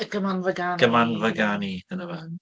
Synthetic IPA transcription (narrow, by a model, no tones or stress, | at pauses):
ɡəmanvəɡanɡ̥əmanvəɡanidənəva